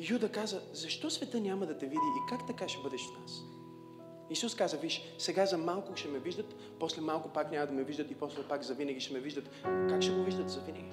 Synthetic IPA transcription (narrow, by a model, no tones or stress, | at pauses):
jud̪ɐkazəzɐʃt̪ɔsvɛt̪ɤnʲamɐd̪ɐt̪ɛvid̪iʔikakt̪ɐkaʃɛbɤd̪ɛʃfnas | isuskazəviʃ | sɛɡazɐmalˠkʊʃɛmɛviʒd̪ət̪ | pɔslɛmalˠkʊpaknʲamɐd̪ɐmɛviʒd̪ət̪ipɔslɛpakzɐvinɐɡʲiʃɛmɛviʒd̪ət̪kakʃɛɡoviʒd̪ət̪zɐvinɛɡʲi